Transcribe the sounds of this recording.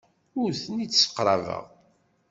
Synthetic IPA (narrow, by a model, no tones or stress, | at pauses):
ʊɾθənit͡sːsə̥qːɾˤɑvə̰ʁ